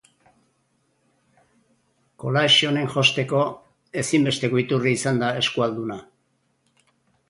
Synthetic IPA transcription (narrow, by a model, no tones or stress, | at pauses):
ko̞laʃio̞ne̞ŋʝo̞st̪e̞ko̞ | e̞simbe̞st̪e̞koit̪uriːsand̪ae̞skuald̪una